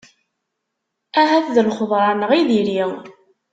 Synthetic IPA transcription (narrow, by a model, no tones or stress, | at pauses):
æɦæθðəlχðˤɾˤɑnəʁiðiɾi